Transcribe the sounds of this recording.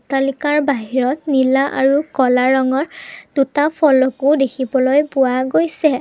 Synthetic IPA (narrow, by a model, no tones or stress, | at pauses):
talikaɹbaɦiɹɔtnilaʔaɹukɔlaɹɔŋɔɹd̥utapʰɔlɔkʊdekʰibɔlojpʊaɡojsɛ